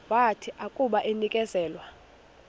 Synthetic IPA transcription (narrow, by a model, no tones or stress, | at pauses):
watʰiʔakʼuɓaʔenikʼɛzɛːlwa